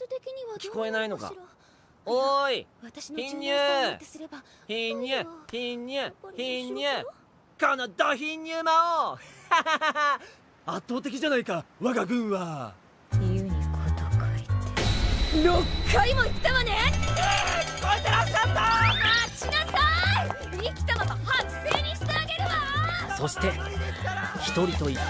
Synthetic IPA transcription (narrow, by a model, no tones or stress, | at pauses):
t̪ːot̪ekʲiɲiβakʲi̥ko̞e̞naino̞ka̰ | oiβat̪aɕinçĩɲːɨːsɨɾeba | çĩɲːɨçĩɲːɨçĩɲːɨ | kãnod̪açĩɲːɨːmao | at̪ːo̞ːt̪e̞kʲid͡ʑanaikaβaɡaɡɯ̟̃ɰ̃βa | iɯɲ̟ikot̪okɯi | jokʰːaimait̪ːemane | kot̪eɾasand̪aaɕinasai | ikʲi̥t̪amat̪ahaseːɲ̟iɕi̥t̪eaɡe̞ɾeβaso̞ɕi̥t̪e̞ | çi̥t̪o̞ɾʲit̪o̞i